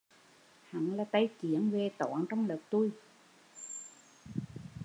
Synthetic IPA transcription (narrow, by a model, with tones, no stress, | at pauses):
ha̰˨˧˦nlaː˨˩t̪a˧jt͡ɕi˧˩˦ənve˨˩t̪ɔ̰˧˨˩nt͡ɕɔ˧wŋ͡mləː˨˩k̚t̪u˧j